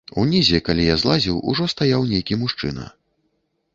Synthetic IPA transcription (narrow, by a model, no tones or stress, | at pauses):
unʲizʲɛkalʲijazlˠazʲiwṵʐɔst̪ajawnʲejkʲimuʂt͡ʂɨ̰nɐ̰